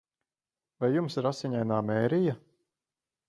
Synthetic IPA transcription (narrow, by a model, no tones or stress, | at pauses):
vajːumsiɾasiɲajnaːmɛːɾija